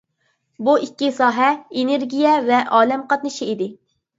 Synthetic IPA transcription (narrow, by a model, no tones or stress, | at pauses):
buʔikʲːisɑːɦɛeneɾɡʲijɛvɛʔɑːlɛmqɑt̪̚nɨʃiid̪ɪ